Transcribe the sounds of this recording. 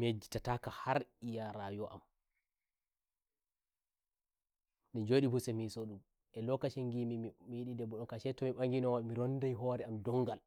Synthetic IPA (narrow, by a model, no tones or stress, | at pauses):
med͡ʒi̥tatakahaɾijaɾajɔʔa̰m | nid͡ʒoːɗibusɛmisɔɗum | ʔɛlɔkaʃeŋɡimimijiɗidɛbɔɗɔnkaʃɛtɔmiɓaŋɡinɔwamiɾɔndajɦɔɾɛamdɔŋːɡal